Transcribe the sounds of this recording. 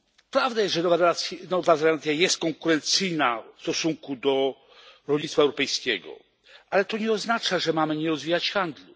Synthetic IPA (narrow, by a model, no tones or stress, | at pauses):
pɾavd̪ajɛsʐɛnɔvaɾɛasʲnɔvaɾɛlat̪sʲjajɛst̪̚kɔŋkuɾɛnt̪sɘjnafst̪ɔsuŋkud̪ɔ | ɾɔlɲit̪faɛwɾɔpɛjskʲɛɡɔ̰ | ʔalɛt̪ɔɲɛɔznat͡ʂaʐɛmamɘɲɛɾɔzvʲijat͡ɕxand̪lu